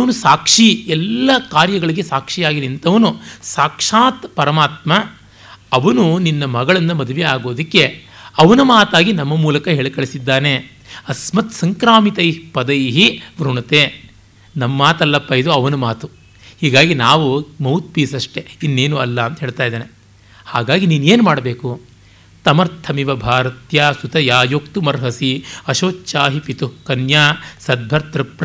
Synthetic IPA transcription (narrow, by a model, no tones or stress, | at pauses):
ɐʋɐnusaːkʂiɛlːɐkaːɾjɐɡɐɭiɡesaːkʂijaːɡinint̪ʰɐʋɐnusaːkʂaːt̪pɐɾɐmaːt̪mɐ | ɐʋɐnuninːɐmɐɡɐɭɐnd̪ɐmɐd̪uʋɛaːɡo̞ːd̪ɐkːe̞ | ɐʋɐnɐmaːt̪aːɡinɐmːɐmuːlɐkɐɦeːɭkɐɭisid̪ːaːne | ɐsmɐt̪sɐŋkɾaːmit̪ɐjpɐd̪ɐjɦiʋɾuɳɐt̪eː | nɐmːaːt̪ɐlːɐpːɐid̪uɐʋɐnumaːt̪u | hiːɡaːɡinaːʋumɐwt̪̚piːsɐʂʈeinːeːnuɐlːɐɐnt̪ɐɦeːɭt̪aːjd̪eːne | haːɡaːɡiniːnueːnumaːɽɐbeːku | t̪ɐmɐɾt̪ʰːɐmiʋɐbʱaːɾɐt̪jaːsut̪ɐjaːjok̚t̪umɐɾɦɐsiɐʃoːtːt͡ʃaːɦipit̪ukɐnjaːsɐd̪̚bʱɐɾt̪ɾɐpɾ